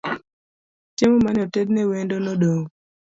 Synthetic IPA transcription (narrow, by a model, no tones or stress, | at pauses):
t͡ʃemomanɔtɛdnɛwendonodoŋ